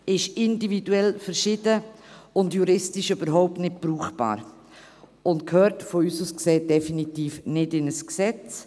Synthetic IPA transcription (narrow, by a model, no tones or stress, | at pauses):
ɪʃɪndividuɛlfəɾʃɪd̥əʊndjuɾɪstɪʃøbəɾɦɔʊp̚tnɪt̚b̥ɾuːχb̥a̰ːɾ | ʊntkʰhøːɾtfɔyːsuːskseːd̥ɛfinitiːfnɪdɪnəsksɛt͡s